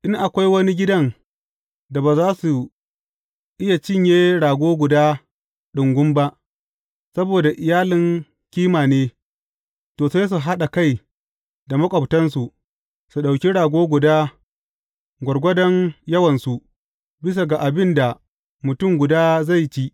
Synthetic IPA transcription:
ʔɪ˦ŋʔa˨kʷa˦jwɐ˦ni˦ɡʲɪ˦dɐ˦ŋ | da˨baː˨zaː˦su˨ | ʔɪ˦ja˨t͡ʃɪ˦ɲjeː˦ɽaː˨ɡʷoː˦ɡʷʊ˨daː˦ | ɗʊ˨ŋɡʷʊ˦mba˦ʔ | sɐ˦boː˨da˨ʔɪ˨jaː˦lɪ˨ŋ | kʲiː˦maː˨neː˦ | toː˨sa˦s̬u˨ɦa˦ɗa˨ka˦˨j | da˨mɐ˦kʷʼɐ˨btɐ˦nsu˨ʔ | su˨ɗa˨wkʲi˦ɽaː˨ɡʷoː˦ɡʷʊ˨daː˦ | ɡʷɐ˨rɡʷɐ˦dɐ˦ŋjɐ˦wɐ˨nsu˨ | bɪ˦s̬a˨ɡa˨ʔa˨bɪ˦nda˨ | mʊ˨tʊ˦mɡʷʊ˨daː˦za˦˨jt͡ʃi˦

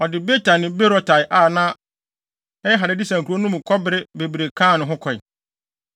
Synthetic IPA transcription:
ɔ˨dɪ˨be˦tʰã˨nɪ̃˨be˦ɾɔ˨tʰa˨jʔa˨nãː˦ | ɛ˦jɛ˦ɦa˨ɾɪ˨˦di˦sã˨ŋ˨kʰu˨˦o˦nʊ̃˦mʊ̃˨kʰɔ˦bɪ˦ɾɪ˦be˨bɾe˨kʰãː˦˨nʊ̃˨ɦʊ̃˦kʰɔ˨ɪ˨

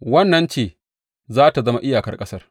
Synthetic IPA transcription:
wɐ˦nːɐ˦nt͡ʃeː˦˨ | zaː˦ta˨zɐ˦ma˦ʔɪ˦jaː˨kɐ˦rkʼɐ˦sɐ˦r

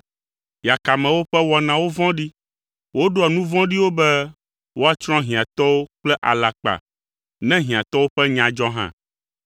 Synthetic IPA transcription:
ja˨ka˨mɛ̃˨wo˦ɸɛ˦wɔ˨nã˨wo˦vɔ̃˦ɖi˦ | wo˦ɖo˦a˨nũ˦vɔ̃˦ɖi˦wo˦bɛ˦ | wo˦a˦t͡ʃɾ̃ɔ̃˦ɦĩ˨a˨t̪ɔ˦wo˦k͡plɛ˦ʔa˨la˨k͡pa̰˨ | nɛ̃˦ɦĩ˨ã˨t̪ɔ˦wo˦ɸɛ˦ɲã˨d͡ʒɔ˦ɦã̰˦

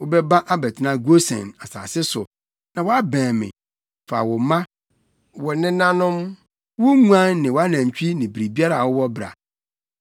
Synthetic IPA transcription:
wʊ˦bɛ˦bã˦ʔa˦bɛ˨tʰnã˦ɡo˦sɛ̰̃˨na˨sa̰ː˨sɪ˦sʊ̰˨ | nã˨wɔ˦a˦bɛ̃ː˨mɪ̰̃˨ | fa̰˨wɔ˨˦mã˦ | wɔ˨nɪ̃˦nã˦nʊ̃˦m | wʊ˦ŋũ˦ã˦nːɪ̃˨wa˦nã˨ɲ˨t͡ɕᶣi˦nɪ̃˨bɾi˨bi˦a˦ɾa˨wɔ˦wɔ˦bɾa̰˨

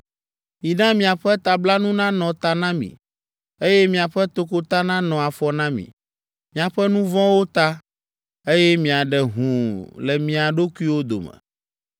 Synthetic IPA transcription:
mĩ˨ɖã˦mĩ˨a˨ɸɛ˦t̪a˨bla˦nũ˦nã˦nɔ̃˨t̪a˦nã˦mḭ̃˨ | e˦jɛ˦mĩ˨a˨ɸɛ˦t̪o˦ko˦t̪a˦nã˦nɔ̃˨a˨fɔ˨nã˦mḭ̃˨ | mĩ˨a˨ɸɛ˦nũ˦vɔ̃˦wo˦t̪a˦ | e˦jɛ˦mĩ˨a˨ɖɛ˨ɦũ˨lɛ˨mĩ˨a˨ɖo˦ku˦i˦wo˦d̪o̰˨mɛ̰̃˨

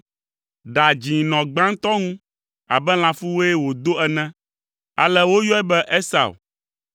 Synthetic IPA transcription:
ɖa˨d͡ʑĩ˨nɔ̃˨ɡ͡bã˦ŋ̩˦t̪ɔ˦ŋũ˦ | a̰˨bɛ˦l̃ã˨fu˦wo˦e˦wo˨d̪o˦ɛ˦nɛ̃˦ | a̰˨lɛ˦wo˦jɔ˦ɛ˦bɛ˦ʔe˦sa̰˨w

